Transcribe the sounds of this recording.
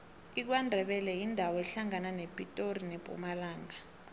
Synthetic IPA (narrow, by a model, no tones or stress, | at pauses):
ik̬wandʱɛɓɛlɛjindʱawɔɛɬaŋananepʼitʼorineb̥ʱʼṵmalaːŋa